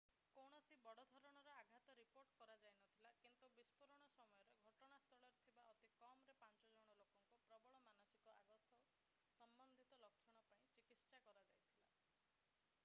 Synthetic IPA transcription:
kɔwɽ̃ɔsibɔɽɔd̪ʱɔɾɔɽ̃ɔɾɔaɡʱat̪ɔɾipoɾʈkɔɾad͡ʒajnɔt̪ʰilakint̪ubispɔɾɔɽ̃ɔsɔmɔjɔɾeɡʱɔʈɔɽ̃ast̪ʰɔɭɔɾet̪ʰibaʔɔt̪ikɔmɾepant͡ʃɔd͡ʒɔɽ̃ɔlokɔŋkupɾɔbɔɭɔmanɔsikɔʔa̰ɡɔt̪ʰɔ | sɔmbɔnd̪ʱit̪ɔlɔkʰːjɔɽ̃ɔpaĩt͡ʃikitsakɔɾad͡ʒajt̪ʰila̰

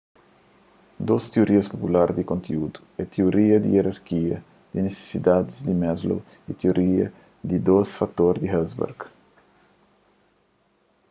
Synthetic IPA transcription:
d̪ost̪eoɾiɐspopulaɾd̪ikõnt̪ʰeud̪u̥et̪eoɾiɐd̪ḭeɾaɾkiɐ̰ | d̪̥inese̥sid̪ad̪izd̪imɛzlo̰ | it̪eoɾiɐ | d̪id̪osfak̚t̪oɾd̪iɦɛzbɛ̰ɾɡ

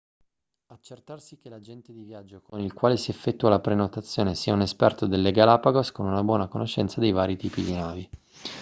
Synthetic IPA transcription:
at͡ʃːert̪arsikelad͡ʒɛnt̪ed̪ivjad͡ʒːokʰonilkwaːlesiefːɛt̪ːualapɾenot̪at̪sːjoːnesiːaunespɛrt̪od̪elːeɡalapaɡoskonunabwɔːnakonoʃːɛ̰nt̪sad̪ejvaːɾit̪iːpid̪inaːvi

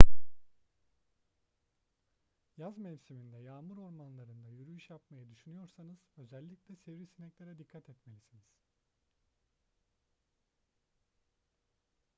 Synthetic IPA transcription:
jazmɛvsymind̪ɛjaːmuɾo̞ɾmanlˠaɾɯnd̪ajyɾyjyʃjapmajad̪yʃynyjo̞ɾsanɯz̥ø̞zɛlʲːiclʲɛsɛvɾisinɛclʲeɾɛd̪ikʰːat̪ʰɛt̪melʲisiniz̥

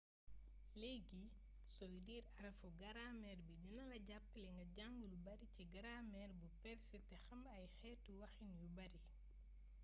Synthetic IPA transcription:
lɛɡi | sɔjdiːɾɐɾɐfɔɡɐɾamɛːrbidinɐlɐɟapːlɛŋɡɐɟaŋɡulubɐɾiciɡɐɾaːmɛɾbupɛɾsɛtɛxɐmbɐjxɛːtuwɐxinjubɐɾi

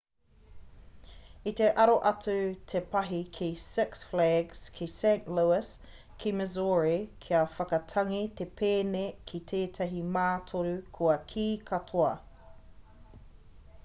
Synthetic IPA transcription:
it̪eʔɐɾoʔɐtʉtʰepɐɦikʰisɪksflɛɡskʰisẽɪnʔluɪs | kʰimɛzoːɹikʰiɐfɐkɐtʰɐŋit̪epʰeːnekʰit̪ʰeːt̪ʰɐɦimaːtʰoɾukʰoɐkʰiːkʰɐtʰoɐ

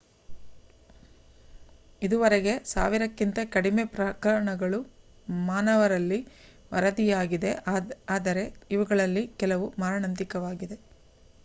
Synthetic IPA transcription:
id̪uʋɐɾeɡe̞sa̰ːʋiɾɐkːint̪ɐkɐɽimepɾɐkɐɾɐɳɐɡɐɭu | maːnɐʋɐɾɐlːi | ʋɐ̰ɾɐd̪ijaːɡid̪e̞aːd̪ɐɾe̞iʋɐɡɐɭɐlːikɛlɐʋumaːɾɳɐnt̪ikɐʋaːɡid̪e̞

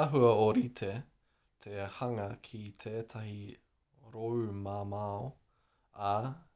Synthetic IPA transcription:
aɦuɐoɾit̪ʰe | t̪ʰehɐŋɐkʰit̪ʰeːt̪ʰɐɦi | ɾowmaːmao | ɐ

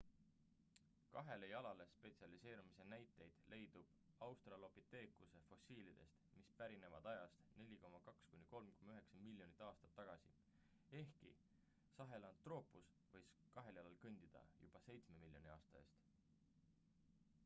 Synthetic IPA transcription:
kɑɦe̞lejɑlɑle̞spe̞t̪siɑlise̞ːɾumise̞næjt̪ːˑe̞jd̪̥le̞jd̪̥ub̥ɑwst̪rɑlo̞pit̪ːe̞ːkuse̞fo̞siːlid̪̥e̞̰st̪mispæɾine̞vɑd̪̥ɑjɑst̪ne̞lʲiko̞mːɑkɑkskunʲːiko̞lmko̞mːɑyɦe̞ksɑmilʲːjo̞nit̪ːˑɑːst̪ɑt̪ːɑɡ̥ɑsḭ | e̞hkḭ | sɑɦe̞lɑnt̪ːro̞ːpˑus | vɤ̞jskɑɦe̞ljɑlɑlkɯnʲd̪̥id̪̥ɑ̰jṵb̥ɑse̞jt̪sme̞milʲjo̞̰nʲiɑːst̪ɑe̞ːst̪

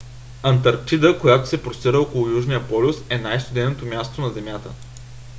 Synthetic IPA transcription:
ɐnt̪ɐɾkt͡ʃid̪əkojat̪o̥sɛpɾost̪iɾəɔkolˠʊjuʒnijəpɔlʲʊsɛnajst̪ʊd̪ɛnot̪omʲjast̪onɐzɛmʲjat̪ə̰

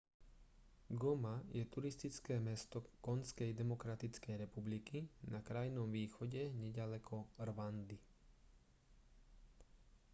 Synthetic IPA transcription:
ɡɔmajɛt̪uɾist̪it͡skɛːmɛst̪ɔkɔnskɛjd̪ɛmɔkɾat̪it͡skɛjɾɛpublikinakɾajnɔmʋiːxɔɟɛɲɛɟalɛkʰɔrʋand̪i

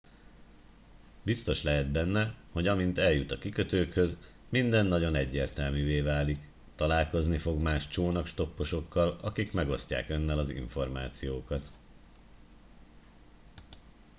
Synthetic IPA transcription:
bist̪o̞ʃlɛɦɛd̪̚bɛnːɛho̞ɟɒmint̪ɛljut̪ɒkikø̞t̪øːkhø̞z | mind̪ɛnːɒɟo̞nɛɟːeːrt̪ɛlmyveːvaːlik | t̪ɒlaːlko̞znifo̞ɡmaːʃt͡ʃoːnɒkʃt̪o̞pːo̞ʃo̞kːɒlɒ̰kikmɛɡo̞sca̰ːkønːɛlɒzḭɱfo̞rma̰ːt̪sijoːkɒt̪

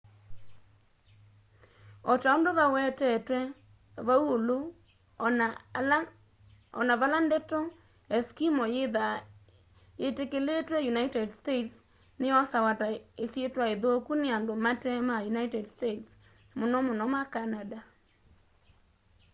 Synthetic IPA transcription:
ɔtaondoβawɛtɛtwɛ | βawolo | ɔ̰naβalandɛtɔ | ɛskimɔjeða | jetekeletwɛjunaitɛdstets | nɪɔsawataesjetwaeðookunɪandomatɛmajunaitɛdstets | monɔmonɔmakanada

